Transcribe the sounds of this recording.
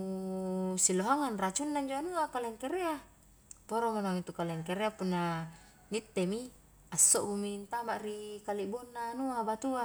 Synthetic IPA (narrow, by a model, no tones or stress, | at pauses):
u | siloɦaŋanrat͡ʃunːaɲd͡ʒoanuakaleŋkeɾea | poɾoŋanaŋit̪ukaleŋkeɾeapunːa | ŋit̪ːemi | asːoʔbumint̪amaʔrikaliʔbonːanuabat̪ua